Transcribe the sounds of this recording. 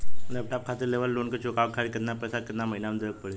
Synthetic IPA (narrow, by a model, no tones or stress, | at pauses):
lɛp̚ʈap̚kʰat̪əɾleʋəlːonkət͡ɕʰokawkʰaɭikəd̪napɾəsaɾkəd̪naməɦinamənd̪əɾək̚pəɭe